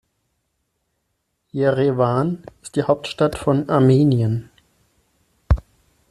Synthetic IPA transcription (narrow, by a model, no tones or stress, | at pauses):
jeʁevanɪstd̥iːhaʊp̚tʃtatfɔnaɐmiːnjən